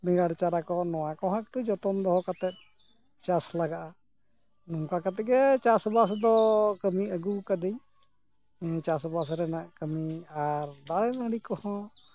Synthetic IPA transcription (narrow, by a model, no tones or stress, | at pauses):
bɛŋɡaɽt͡ʃaɾakɔnɔwakɔɦãk̚ʈud͡ʒɔt̪ɔmd̪ɔɦɔkat̪ɛt̪̚ | t͡ʃaslaɡaʔa | nuŋkakat̪ɛɡɛt͡ʃasbasd̪ɔkəmiəɡukad̪ej | t͡ʃasbasɾɛnaʔkəmiaɾd̪aɽɛnaɽikɔhɔ̃